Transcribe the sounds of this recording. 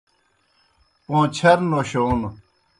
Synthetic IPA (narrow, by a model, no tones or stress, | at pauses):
põːt͡ɕʰɐɾnoɕoːnu